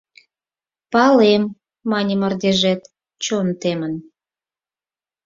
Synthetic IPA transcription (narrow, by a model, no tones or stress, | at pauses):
pɑlemː | ɑnʲəmərd̪eʒet̪ | t͡ɕont̪emən